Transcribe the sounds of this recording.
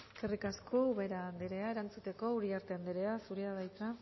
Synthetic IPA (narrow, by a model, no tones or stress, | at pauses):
skerikaskʰouβe̞ɾaːnd̪eɾe̞ae̞ɾant͡sut̪e̞ko̞uɾiaɾt̪e̞and̪eɾeasuɾiaðajt͡s̪a